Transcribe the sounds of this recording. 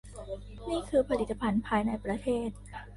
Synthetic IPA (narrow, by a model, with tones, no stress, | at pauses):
niː˥˩kʰɯː˧pʰa˧li˨˩t̪ːa˧pʰa˧npʰaː˧jna˧jpɾa˧t̪ʰeː˥˩t̪̚